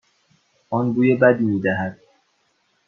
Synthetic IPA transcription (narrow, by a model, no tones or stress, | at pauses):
ʔɔnɡuːjebæd̪iːmiːd̪æɦæd̪̥̚